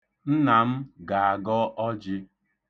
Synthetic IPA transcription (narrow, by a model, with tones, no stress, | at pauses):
n̩˦na˨m̩˦ɡa˨a˨ɡɔ˦ʔɔ˦d͡ʒɪ˦